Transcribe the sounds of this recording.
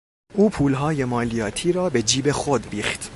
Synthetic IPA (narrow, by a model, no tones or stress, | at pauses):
ʔuːpʰuːlɦɒːje̞mɒːlijɒːt̪ʰiːɾɒːbe̞d͡ʒiːbe̞xod̪biːχt̪